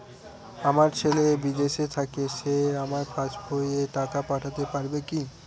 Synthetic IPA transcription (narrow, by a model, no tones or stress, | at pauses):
amaɾt͡ɕʰelebid̪eʃet̪ʰakeʃeamaɾpʰat͡ʃbojeʈakapaʈʰat̪epaɾbeki